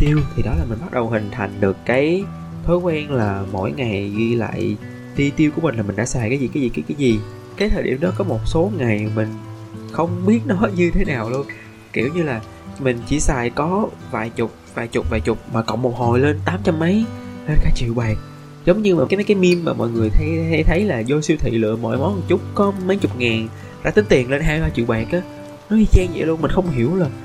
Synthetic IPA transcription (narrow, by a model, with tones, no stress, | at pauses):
t̪i˧əwt̪ʰi˨˩ɗɔ˨˦laː˨˩mi̟˨˩ɓt̚ɗə˨˩whï˨˩ŋ̟t̪ʰa˨˩jŋ̟ɗɨ˨˩əkːaː˨˦j | t̪ʰɔː˨˦jkwɛ˧nlaː˨˩mo̰˧˥˨jŋa˨˩jɣi˧la̰ː˧˨j | t̪i˧t̪i˧wku˧˩əmï̟˩aː˨˩mï̟˨˩ɗa̰ː˧˥saː˨˩jkaː˨˦zi˨˩kaː˨˦zi˧˨˩kaː˨˦jkaː˨˦jzi˨˩ | kaː˨˦jt̪ʰəː˨˩ɗḭ˧˩əmɗɔ˨˦kɔ˨˦mo˨˩t̚so˨˦ŋa˨˩jmï˨˩ŋ̟ | xə˧wŋ͡mɓi˦˥ət̚nɔ˨˦ɲɨ˧t̪ʰe˨˦naː˨˩wlu˧ən | ki˧˩əwɲɨ˧laː˨˩ | mï˨˩ŋ̟t͡ɕḭ˧˩saː˨˩jkɔ˨˦vaː˨˩jt͡ɕʊ˨˩k͡p̚vaː˨˩jt͡ɕʊ˨˩k͡p̚vaː˨˩jt͡ɕʊ˨˩k͡p̚maː˨˩kɔ̰˧˨wŋ͡mmo˨˩k͡p̚ho˨˩jle˧nt̪aː˨˦mt͡ɕa˧mːə˨˦jle˧nkaː˨˧˦t͡ɕḭ˧˨əwɓaː˨˩k̚ | zə˨˦wŋ͡mɲɨ˧maː˨˩a˨˦ma˨˦kaː˨˦jmi˧mːaː˨˩mɔ̰˧˨jŋɨ˨˩əjt̪ʰa˧jt̪ʰə˨˦jlaː˨˩zo˧jsi˧əwt̪ʰḭ˧˨lɨ̰˧˨əmɔ̰˧˨jmɔ˨˦n˨˩t͡ɕʊ˦˥k͡p̚kɔ˨˦ma˨˦jt͡ɕʊ˨˩k͡p̚ŋaː˨˩n | zaː˧˥t̪ï˨˦ŋ̟t̪i˨˩ənle˧nɦaː˧jɓaː˧t͡ɕḭ˧˨əwɓaː˨˩k̚ʔaː˨˦ | nɔ˨˦hi˧˩t͡ɕɛ˧ŋzḭ˧˨lu˧ənmï˨˩ŋ̟xə˧wŋ͡mhi˧˩əwlaː˨˩